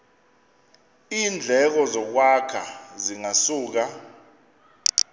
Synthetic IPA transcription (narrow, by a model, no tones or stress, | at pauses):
iːnd͡ɮʱɛk̬ɔzɔk̬wakʰaziŋasuːk̬a